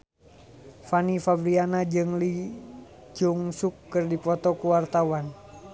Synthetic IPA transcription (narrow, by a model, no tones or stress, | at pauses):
fanifabɾianad͡ʒɨŋli | d͡ʒuŋsukːɨrdipɔt̪ɔkuwart̪awan